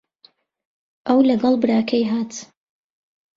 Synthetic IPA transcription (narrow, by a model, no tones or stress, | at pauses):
ʔɐwlɐɡɐlˠbɨɾaːkʰɐjɦaːt̪